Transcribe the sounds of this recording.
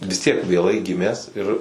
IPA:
ʋʲɪs tʲiɛk ʋʲeːˈlˠɐɪ ˈɡʲɪmʲæːs ɪr

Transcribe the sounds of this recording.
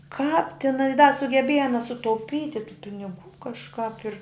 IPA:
kɑːp tʲɪˈnɐ ɪ dɐ sʊɡʲɛˈbʲiɛjɛ ɐˈnɐ sʊtɐʊˈpʲiːtʲɪ tuː pʲɪnʲɪˈɡuː kɐʃˈkɐp ɪr

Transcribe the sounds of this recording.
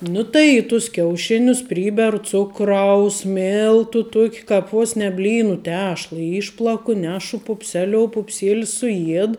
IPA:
ˈnʊ tɐɪ iː tʊs kʲɛʊˈʃʲɪnʲʊs ˈpʲrʲiːbʲɛrʊ ˈt͡sʊkrɐʊs ˈmʲɪlˠtʊ ˈtuɔkʲ ˈkɑːp ˈʋoːs nʲɛ ˈbʲlʲiːnʊ ˈtʲæːʃlˠɐ ˈiːʃplˠɐkʊ ˈnʲæːʃʊ pʊpʲˈsʲæːlʲoːʊ pʊpʲˈsʲeːlʲɪs sʊˈjiɛt

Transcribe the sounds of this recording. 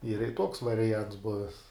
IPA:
iːrɐ ɪ toːks ʋɐrʲɪˈjɛnts ˈbʊʋʲɛs

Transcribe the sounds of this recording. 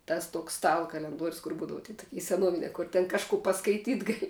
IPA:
ˈtɐs ˈtuɔks ˈstɑːlˠɐ kɐlʲɛnˈduɔrʲʊs kʊr ˈbuːdɐʋɐ tʲiː toːˈkʲɪ sʲɛˈnuɔʋʲɪnʲɛ kʊr tʲɛn kɐʃˈkʊ pɐskɐɪˈtʲiːt ˈɡɑːlʲɪ

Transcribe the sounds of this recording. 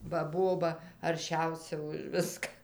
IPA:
bɐ ˈboːbɐ ɐrʲˈʃʲɛʊsʲɛ ʊʃ ˈʋʲɪskɐ

